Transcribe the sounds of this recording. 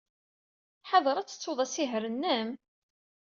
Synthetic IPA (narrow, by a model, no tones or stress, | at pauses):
ħɑðˤəɾˤæt͡sːə̥t͡sːoðˤæsiɦɾənːəm